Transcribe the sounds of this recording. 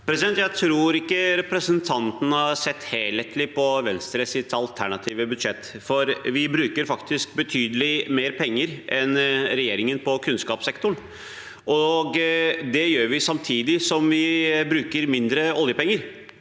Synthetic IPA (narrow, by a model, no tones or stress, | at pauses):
pʰɾɛsɪd̪ɛnt̪jæɪt̪ʰɾuːɾɪkːəɾɛpɾəsənt̪ʰɑnt̪ənəhɑɾsɛt̪ːheːlət̪ʰlɪpʰɔʋɛnst̪ɾəsɪt̪ɑlt̪ʰæɳɑt̪ʰiːʋəbʉd̪ʂɛt̪ːfɔɾʋɪbɾʉːkəɾfɑkt̪ɪsk̚bət̪ʰyːd̪əlɪmeːɾpʰɛŋːəɾʔɛnɾɛjeːɾɪŋənpɔkʰʉnskɑːpsɛkt̪ʊɳ | ʔɔɡd̪ɛjøːɾʋɪsɑmt̪ʰiːd̪ɪsɔmʋɪbɾʉːkəɾmɪnd̪ɾəɔljəpɛŋːəɾ